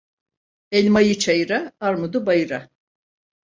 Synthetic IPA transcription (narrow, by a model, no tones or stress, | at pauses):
ɛlʲmajɯt͡ʃʰajɾaaɾmud̪ubajɯɾa